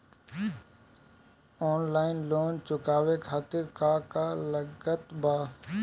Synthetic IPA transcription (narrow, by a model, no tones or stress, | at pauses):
ɔːnlaːɪnloːnt͡ʃʊkaːʋekʰaːt̪ɪɾkaːkaːləɡət̪baː